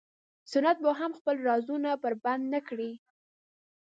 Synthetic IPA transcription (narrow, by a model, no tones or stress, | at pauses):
sʊnat̪̚baɦamxpəlɾɑzunapəɾband̪nakɽi